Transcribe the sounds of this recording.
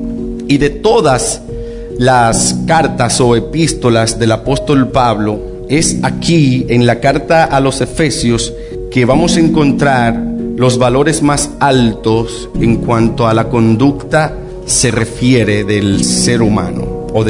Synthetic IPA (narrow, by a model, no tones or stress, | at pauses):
iðe̞t̪o̞ðas | laskaɾt̪aso̞e̞pist̪o̞lazðe̞lapo̞st̪o̞lpaβlo̞ | e̞sakie̞ŋlakaɾt̪aʔalo̞se̞fe̞sjos | ke̞βamo̞saeŋko̞nt̪ɾaɾlo̞zβalo̞ɾe̞zmasalt̪o̞s | eŋkwant̪o̞alako̞nd̪ukt̪a | se̞re̞fje̞ɾe̞ðe̞lse̞ɾumã̰no̰oð